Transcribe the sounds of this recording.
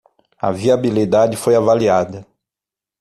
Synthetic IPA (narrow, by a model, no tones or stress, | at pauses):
ɐ̰viabilid̪ad͡ʒɪfojavaliad̪ɐ